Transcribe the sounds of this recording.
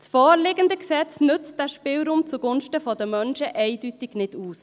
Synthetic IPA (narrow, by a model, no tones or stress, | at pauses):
sfɔːɾlɪɡəndəksɛt͡snʏt͡st̚d̥æːʃpɪːlɾuːmt͡suɡʊnʃtəfɔdəmœnʃəʔɛɪdytɪɡ̥nɪduːs